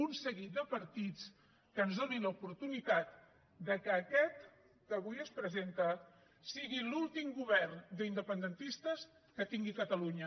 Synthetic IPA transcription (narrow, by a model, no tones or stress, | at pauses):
unsəɣid̪əpəɾt̪it͡s | kəːnzðoniləupuɾt̪unit̪at̪ | d̪əkəːkɛt̪ | k̪əβujəspɾəzent̪ə | siɣilulˠt̪imɡuβɛrnd̪əind̪əpənd̪ənt̪ist̪əs | kət̪iŋɡikət̪əluɲə